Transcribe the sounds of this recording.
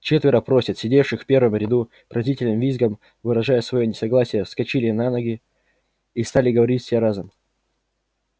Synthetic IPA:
t͡ɕet̪vʲɪɾəpɾo̞sʲɪt̪sʲɪdʲe̞fʂɨxfpʲe̞rvəmɾʲɪd̪u | pɾɐzʲitʲɪlʲnɨmvʲizɡəm | vɨɾɐʐajəsvɐjonʲɪsɐɡlˠasʲɪjəskɐt͡ɕilʲɪnanəɡʲɪ | ist̪alʲɪɡəvɐɾʲitʲsʲeɾazəm

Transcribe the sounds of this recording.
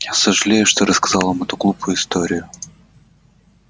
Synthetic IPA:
jasəʐɨlʲejʊʂt̪oɾəskɐzɑlˠvamɛt̪ʊɡlˠupʰʊjʊɪst̪oɾʲɪjʊ

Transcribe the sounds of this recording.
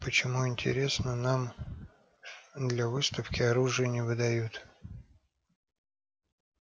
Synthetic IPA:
pət͡ɕɪmuɪnʲtʲɪ̰ɾʲe̞snənam | d̪lʲavɨst̪əfkʲɪɐɾuʐɨjənʲɪvɨd̪ɐjut̪

